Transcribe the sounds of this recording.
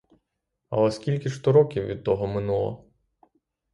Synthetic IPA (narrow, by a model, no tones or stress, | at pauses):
ɐ̰lˠɛskʲilʲkɪʃt̪ɔɾɔkʲiwʋʲid̪̚t̪ɔɦɔmɪnulˠɔ̰